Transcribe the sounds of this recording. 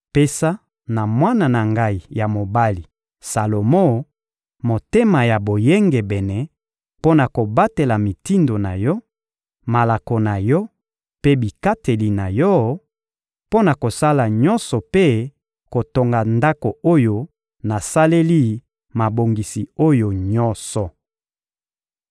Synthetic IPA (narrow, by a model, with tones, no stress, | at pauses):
pe˦sa˦ | na˨mwa˦na˨na˨ŋɡa˦i˨ja˨mo˨ba˦li˨ | sa˨lo˨mo˦ | mo˨te˦ma˨ja˨bo˨je˦ŋɡe˨bɛ˨nɛ˨ | po˦na˨ko˨ba˦te˨la˨mi˨ti˦ndo˨na̰˨jɔ˦ | ma˨la˨ko˨na˨jɔ˦ | pe˦bi˨ka˦te˨li˨na˨jɔ˦ | po˦na˨ko˨sa˦la˨ɲɔ˦nsɔ˨pe˦ | ko˨to˨ŋɡa˨nda˦ko˨o˦jo˦ | na˨sa˦le˦li˦ | ma˨bo˨ŋɡi˨si˨o˦jo˨ɲɔ˦nsɔ˨